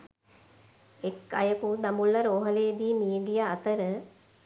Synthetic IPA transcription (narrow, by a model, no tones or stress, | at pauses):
ekːajəkud̪amulːəɾoɦəleːd̪iːmiːd̪ijaːt̪əɾə